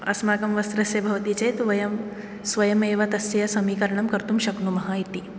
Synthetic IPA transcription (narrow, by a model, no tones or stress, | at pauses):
ɐ̰smaːkɐmʋɐst̪ɾɐsjɐbʱɐʋɐt̪it͡ʃeːt̪ʋɐjɐm | sʋɐjɐmeːʋɐt̪ɐsjɐjɐsɐmiːkɐɾɐɳɐmkɐɾt̪umʃɐknumɐɦɐit̪i